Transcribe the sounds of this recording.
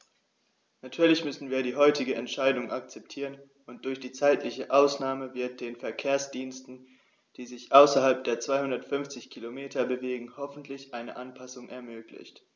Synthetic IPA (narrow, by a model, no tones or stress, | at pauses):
natʰyːɐlɪçmʏsn̩viːɐɾiːɦɔʏtɪɡəɛntʃaɪdʊŋʔak̚t͡sɛp̚tʰiːʁən | ʔʊnt̚d̥ʊɐçd̥iːt͡saɪtʰlɪçəʔaʊsnaːməvɪɐt̚d̥eːnfɛɐkʰeːɐsd̥iːnstn̩ | d̥iːzɪçʔaʊsɐhalp̚d̥eːɐt͡sv̥aɪhʊndɐtfʏnft͡sɪçkʰilomeːtʰɐbəveːɡŋ̩hɔfn̩tʰlɪçʔaɪnə̰ʔanpʰasʊŋʔɛɐmøːklɪ̰çt